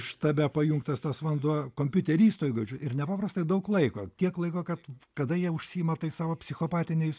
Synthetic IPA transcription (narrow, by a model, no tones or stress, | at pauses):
ʃt̪ɐbʲɛpɐjʊŋkt̪ɐst̪ɐsʋɐnd̪uɔkoːmʲpʲʊt̪ʲɛɾʲiːst̪oːjɡɐd͡ʒʲʊɪrnʲɛpɑːpɾɐst̪ɐɪd̪ɐʊklˠɐɪkoːt̪ʲiɛklˠɐɪkoːkɐt̪kɐd̪ɐjiɛʊʃʲsʲiːɪmɐt̪ɐɪsɑːʋoːpʲsʲɪxoːpɑːt̪ʲɪnʲɛɪs